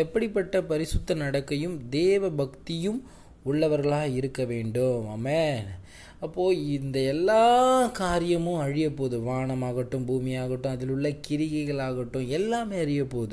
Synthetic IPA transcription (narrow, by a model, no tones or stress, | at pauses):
ɛpːɐɽɪpːɐʈːɐpɐɾɪsʊt̪ːɐnɐɽɐkːɐjɯmd̪eːʋɐbɐkt̪ɪjɯm | ʊɭːɐʋɐɾɣɐɭaːɐɪɾɯkːɐʋeːɳɖɯaːme | ɐpːoːɪnd̪ɐɛlːaːkaːɾɪjɐmʊ̃ɐɻɪjɐpːoːðɯʋaːɳɐmaːɣɐʈːɯ̃mbuːmɪjaːɣɐʈːʊ̃ɐðɪlɯɭːɐkɪɾɪɣɐɪɣɐɭaːɣɐʈːʊ̃ɛlːaːmeːɐɾɪjɐpːoːðɯ